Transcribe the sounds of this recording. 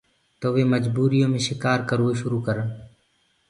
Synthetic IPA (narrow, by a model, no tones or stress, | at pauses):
t̪oːʋeːməd͡ʒbuːɾijõːmẽːʃɪkaːɾkəɾoːʃʊɾuːkəɾən